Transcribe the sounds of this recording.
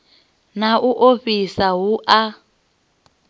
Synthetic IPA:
naʔuʔoɸisaɦuʔa

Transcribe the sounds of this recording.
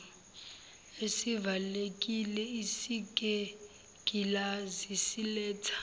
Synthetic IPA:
esivalekʼilɛisikʼɛ | kʼilazisilɛːtʰḁ

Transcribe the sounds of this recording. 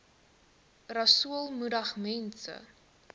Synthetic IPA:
rɐsuəlˠmudɐχmɛnsə̰

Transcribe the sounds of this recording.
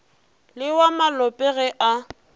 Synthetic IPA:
lɪwamalɔpʼɛɣɛʔa

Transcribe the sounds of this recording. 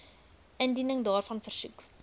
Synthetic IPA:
ʔəndinəŋdɑːrfɐnfərsuk

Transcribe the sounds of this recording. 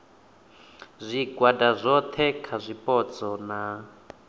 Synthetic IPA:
zʷiɡwadazʷɔt̪ʰɛkʰazʷipɔt͡sɔna

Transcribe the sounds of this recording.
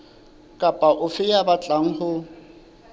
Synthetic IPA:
kʼapʼaʔʊfɪjabat͡ɬʼaŋ̩hʊ

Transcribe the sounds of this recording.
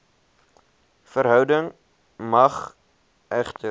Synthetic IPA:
fəɾɦœwdəŋ | mɐχ | ʔæχtə

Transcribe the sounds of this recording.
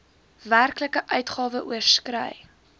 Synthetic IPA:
værkləkəʔœɥtχɑːvəʔuərskrə̰j

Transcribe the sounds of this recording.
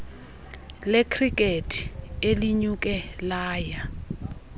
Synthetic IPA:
lekʰrikʼetʰi̥eliɲuk̬ʼɛlaːja

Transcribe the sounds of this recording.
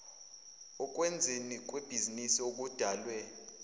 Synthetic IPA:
ɔk̬ʼwend͡zʱinik̬ʼweb̥ʱizinisiok̬ud̥ʱaːlwɛ

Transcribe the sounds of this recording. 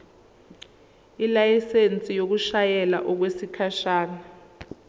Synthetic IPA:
ilajisent͡sʼijok̬uʃajɛla̰ʔɔk̬wesikʰaʃaːna

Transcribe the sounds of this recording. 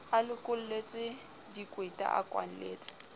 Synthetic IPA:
alɪkʼʊl̩let͡sʼɪ | dikʼwetʼa̰ʔa̰kʼwa̰n̩lḛːt͡sʼɪ̥

